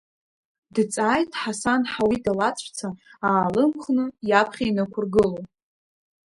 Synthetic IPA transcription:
dt͡sʼajtʼħasanħawidalat͡sʷʼʰt͡sʰaaːlɨmχnɨjapʰχʲainakʷʰʊrɡɨlow

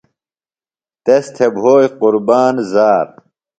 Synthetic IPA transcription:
t̪est̪ʰebɦoːjquɾbaːnzaːɾ

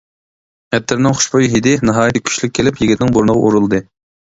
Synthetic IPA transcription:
ɛt̪ʰːɪɾnɪŋχʊ̥ʃbojɦid̪ɪnɨɦɑːjt̪ɪkʲʰy̥ʃlyk̚ʲʰːelɪpjiɡʲit̪ɪnɪŋboɾnəʁɑʔuɾulˠd̪ɨ

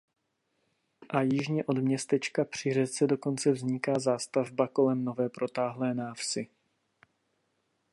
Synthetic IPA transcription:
ʔajɪʒɲɛʔo̞dmɲɛst̪ɛt͡ʃkapr̝̥ɪr̝ɛt͡sɛdo̞ko̞nt͡sɛvzɲɪkaːzaːst̪avbako̞lɛmno̞vɛːpɾo̞t̪aːɦlɛːnaːfsɪ

